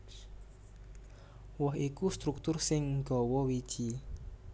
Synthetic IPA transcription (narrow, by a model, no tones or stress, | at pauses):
wɔɦikust̪ɾuk̚t̪ʊrsɪŋɡ̥ɔ̤wɔwid̥ʒ̥i